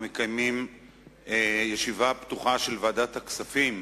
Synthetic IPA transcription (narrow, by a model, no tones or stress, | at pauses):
mekajmim | ejeʃivapt̪uχaʃelvaːdat̪haksafim